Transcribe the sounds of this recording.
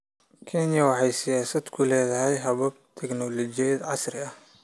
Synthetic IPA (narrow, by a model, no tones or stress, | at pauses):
kʰɛnjɐwɑħɑjsɪjaːsɐd̪kʰʊlɛːðɐɦɛjɦɐβɐb̚t̪ʰɛɡnɔlɔt͡ʃɪɛjd̪ʕɑsrɪɐh